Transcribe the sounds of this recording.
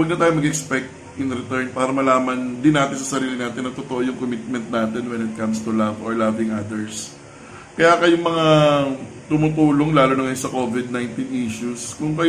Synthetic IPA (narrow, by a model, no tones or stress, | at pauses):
wɐɡ̚nɐt̪aːjʊmɐɡɛkspɛk̚t̪̚ | jʊŋɾɛt̪ɛɹnpaːɾɐmɐlaːmɐnd̪ɪnːaːt̪ɪnsɐsɐɾiːlɪnaːt̪ɪnːɐt̪ot̪oʔojʊŋkomɪt̪̚mɛnt̪̚naːt̪ɛnwɛnɪt̪̚kɐ̃mst̪ulɐvoɹlavɪŋʔad̪ɛɹs | kɐjakɐjʊŋmɐŋa | t̪ʊmʊt̪uːlo̞ŋlaːloːnɐŋɐjosɐko̞vɪd̪̚najnt̪inʔiʃuskʊŋkɐj